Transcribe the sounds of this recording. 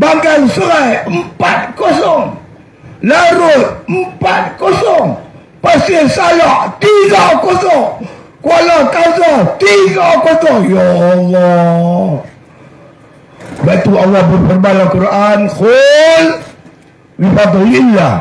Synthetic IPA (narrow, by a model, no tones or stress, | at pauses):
baŋɡansəɾajəmpat̪̚kosɔŋ | laɾʊt̪̚əmpat̪̚kosɔŋ | pasɪsajaʔt̪iɡakɔsɔŋ | kualak̪asɔt̪iɡakosɔŋjaːlːɔ | bat̪ualːɔhbərpərbalakuɾankol | wifad̪ɔlilːa